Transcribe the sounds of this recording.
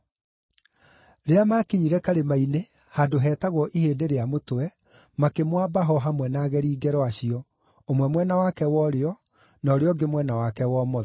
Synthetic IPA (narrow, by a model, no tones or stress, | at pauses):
ɾeamakiɲiɾɛkaɾemaine | hadoɦɛːtaɣwɔʔiheːdeɾeamotowɛ | makemwaːbaɦɔɦamwɛnaːɣɛɾiːɡɛɾɔaɕiɔ | omwɛmwɛnawakɛwɔɾeɔ | nɔɾeɔɡemwɛnawakɛwɔmɔ